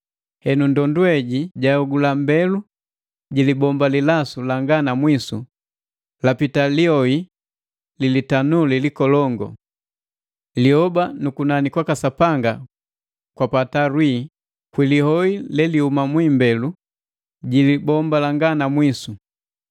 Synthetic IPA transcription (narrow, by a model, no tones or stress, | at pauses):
hɛnundɔnduɛɟiɟaɔɡulambɛlu | ɟilibɔmbalilasulaŋɡanamwisṵ | lapitaliɔi | lilitanulilikɔlɔŋɡɔ̰ | lihɔbanukunanikwakasapaŋɡa̰ | kwapataɾwiː | kwilihɔilɛlihumamwiːmbɛlu | ɟilibɔmbalaŋɡanamwisu